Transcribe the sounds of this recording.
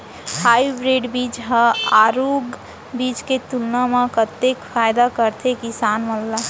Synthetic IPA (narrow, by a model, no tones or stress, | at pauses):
haibɾeɖbiːt͡ʃɦəaɾuɡ | biːt͡ʃket̪ulnamãkət̪ːekfʰaːjd̪akəɾt̪ʰekɪsaːnməlla